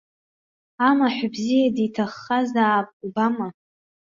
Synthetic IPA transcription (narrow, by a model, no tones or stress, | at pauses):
amaħʷbzijaditʰaχːazaːpʼubama